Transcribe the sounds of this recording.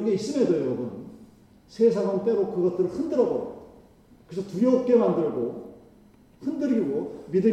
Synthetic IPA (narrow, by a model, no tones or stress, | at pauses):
nɡe̞is͈ɯmedojʌɾʌbun | sʰesʰaŋaŋt͈e̞ɾokɯɡʌt̚t͈ɯɾɯɭhɯndɯɾʌbo | kɯɾesʰʌtuɾjʌp̚k͈e̞mandɯɭɡo | hɯndɯɾɡiɡomidɯ